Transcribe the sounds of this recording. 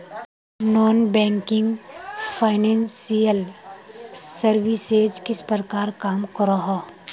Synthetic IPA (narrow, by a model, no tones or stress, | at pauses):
nɔːnbɛ̃ːŋkɪ̃ŋɡpʰaːɪnɛ̃ːnsijəl | səɾʋised͡ʒkɪspəɾkaːɾkaːmkəɾaɦaː